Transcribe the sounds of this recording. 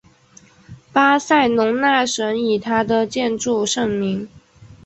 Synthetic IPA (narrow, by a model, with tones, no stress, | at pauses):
pa˥sa˥˩ɪnʊ˧˥ŋna˥˩ʂə˧˥ni˨˩t̪ʰa˥d̪ə˨t͡ɕjɛ˥˧nʈ͡ʂu˥˧ʂɤ˥˩ŋmi˧˥ŋ